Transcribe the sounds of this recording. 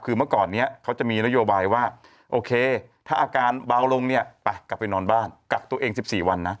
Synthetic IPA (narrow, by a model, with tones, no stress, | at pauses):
kʰɯː˧mɯ˥˩kɔː˨˩nːi˦˥ɐkʰa˦˥wt͡ɕa˨˩miː˧na˦˥joː˧baː˧jwaː˥˩ | ʔoː˧kʰeː˧t̪ʰaː˥˩ʔaː˧kaː˧nba˧˦˩wlo˧ŋni˥˩ɐpa˧˩kla˨˩pːa˧jnɔː˧nbaː˥˩nka˨˩k̚t̪u˧ɐʔeː˧ŋsi˨˩p̚siː˨˩wa˧nːa˦˥